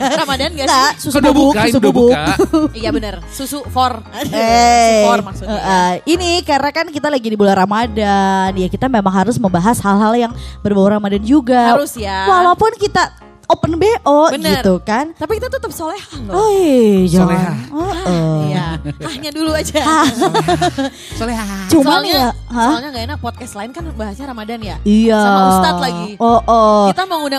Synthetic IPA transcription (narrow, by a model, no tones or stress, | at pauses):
ɾamadanɡaŋɡasusudubʊksusudubʊk̚jabənərsusufɔr | e | maksuəʔəinikarnakankit̪alaɡidibulaɾamadanjakit̪amemaŋɦaɾʊsməmbaɦashalɦaljaŋbərbawaɾamadand͡ʒuɡaɾʊsjawalapʊnkit̪a | opənbeʔɔbənɡirukant̪apikit̪at̪ət̪əp̚solehahod͡ʒleɦaəʔəjahahɲaduluad͡ʒaha | soleɦat͡ʃumanjaɦaaɲaɡaenak̚pɔt̪̚kast̪laɪnkanbaɦasɲaɾamadanjaijaast̪alaɡioʔɔt̪amaŋuna